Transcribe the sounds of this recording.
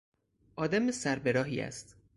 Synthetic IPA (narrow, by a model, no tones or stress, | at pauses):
ʔɒːd̪æmesæɾbeɾɒːɦḭːæ̰st̪